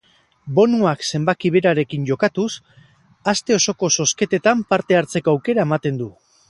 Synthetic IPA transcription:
bo̞nuakse̞mbakiβ̞eɾaɾe̞kiɲɟo̞kat̪us | ast̪e̞o̞so̞ko̞so̞ske̞t̪e̞t̪ampaɾt̪e̞aɾt͡se̞ko̞awke̞ɾae̞mat̪e̞nd̪u

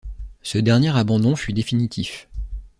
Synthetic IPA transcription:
səd̪ɛʁnjeʁabɑ̃d̪ɔ̃fyd̪efinit̪ʰif

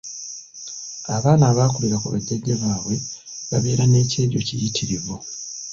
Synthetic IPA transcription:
aβaːnaβaːkuliɾakuβa̰ɟːeɡeβaːβwe | βaβeːɾane̞ːceːɾjo̞̰cijitʰiɾiβo

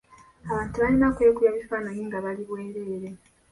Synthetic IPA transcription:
aβaːntuβalinakwe̞ːkujaβifaːnaɲiːŋɡaβaliβwe̞ːɾe̞ːɾe̞

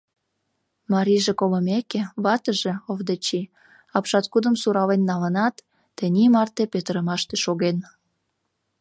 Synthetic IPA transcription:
mɑɾʲiʒekoləmekeβɑt̪əʒĕovd̪ət͡ɕi | ɑpʃɑt̪kud̪ə̆msuɾɑlenːɑlənɑt̪ː | ənʲimɑrt̪epet̪əɾəmɑʃt̪eʃoɣen

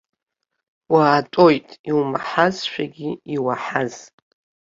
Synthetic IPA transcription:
waːtʼo̞jtʼiwmaħazʃʷᶣaɡʲiiwaħaz

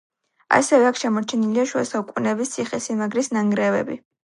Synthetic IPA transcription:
a̰sɛvɛakʰʃɛmɔt͡ʃʰɛniliaʃua̰saukʼunɛbist̪sʰiχɛsimaɡɾisnaŋɡɾɛvɛ̰bḭ

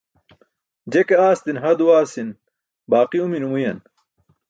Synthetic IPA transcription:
d͡ʑekeaːst̪inɦɐd̪uwaːsin | baːqiuminumujɐn

